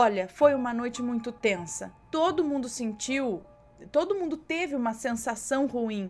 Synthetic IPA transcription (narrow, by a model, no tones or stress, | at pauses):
ɔʎɐfojũmɐnojt͡ʃɪmũj̃t̪ʊt̪ẽsɐ̰t̪od̪ʊmũnd̪ʊsẽnt͡ʃiw | t̪od̪ʊmũnd̪ʊt̪evɪũmɐsẽsasɐ̃w̃huĩ